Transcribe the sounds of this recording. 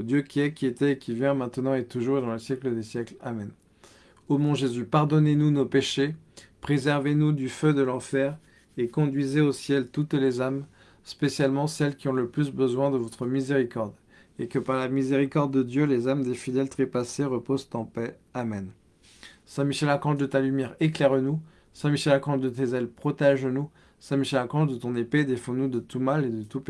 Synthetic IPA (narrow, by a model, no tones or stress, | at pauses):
od̪jøkʲiɛkʲiet̪ɛːkʲivjɛ̃mɛ̃t̪nɑ̃et̪uʒuʁd̪ɑ̃ləsjɛkləd̪esjɛklamɛn | omɔ̃ʒezypaʁd̪ɔnenunopeʃepχezɛʁvenud̪yfød̪əlɑ̃fɛʁ | ekɔ̃d̪ɥizeosjɛlt̪ut̪lezam | spesjalmɑ̃sɛlkʲiɔ̃ləplysbəzwɛ̃d̪əvɔt̪χəmizeʁikɔʁd̪ | ekəpaʁlamizeʁikɔʁd̪ːəd̪jølezamd̪efid̪ɛlt̪χepaseʁəpozt̪ɑ̃pɛ | amɛn | sɛ̃miʃɛlakɑ̃ʒd̪ət̪alymjɛʁeklɛʁnu | sɛ̃miʃɛlakɑ̃ʒd̪ət̪ezɛlpχɔt̪ɛʒnu | sɛ̃miʃɛlakɑ̃ʃd̪ət̪ɔ̃neped̪efɔ̃nud̪ət̪umaled̪ət̪up